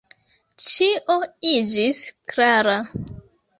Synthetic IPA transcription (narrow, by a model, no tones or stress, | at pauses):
t͡ʃiʔoid͡ʒisklaɾa